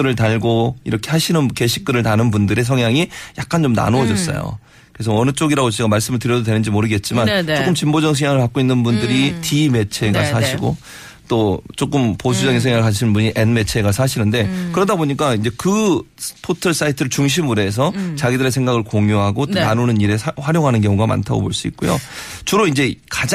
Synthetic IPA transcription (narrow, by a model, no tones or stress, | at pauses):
ɯɾɯɭtaɭɡoḭɾʌkʰe̞ɦaɕʰinɯnke̞ɕʰi̥k̚k͈ɯɾɯɭtanɯnbundɯɾe̞s̬ʰʌŋjaŋijak̚k͈ant͡ɕomna̰noʌd͡ʑʌs͈ʌ̰jo̰ | kɯes̬ʰʌʌnɯt͡ɕ͈oɡiɾaɡot͡ɕiɡamaɭs͈ɯmɯɭtɯɾjʌdodwe̞nɯnd͡ʑimoɾɯɡe̞t̚t͡ɕ͈imanook͈ɯmt͡ɕimbod͡ʑʌŋsʰɯjaŋɯɭpak͈̚oinːɯnbundɯɾitime̞t͡ɕʰe̞ɡasʰaɕʰiɡo̰ | t͈ot͡ɕ͈ok͈ɯmpos̬ʰud͡ʑʌɡinsʰeŋjaɯɭkaɕʰinbuɲiʔenme̞t͡ɕʰe̞ɡasʰaɕʰinɯnde̞kɯɾʌdaboɲik̬͈aind͡ʑe̞kɯspʰotʰɯɭs͈aitʰɯɾɯɭt͡ɕuŋɕ̬ʰimuɾe̞s̬ʰʌt͡ɕaɡidɯɾe̞s̬ʰe̞ŋɡaɡɯɭkoŋjoɦaɡot͈onanunɯniɾe̞sɸwaɾjoŋɦanɯnkjʌŋuɡama̰ntʰaɡo̰boɭs͈uḭt̚k͈ojo̰t͡ɕuɾoind͡ʑe̞kad͡ʑ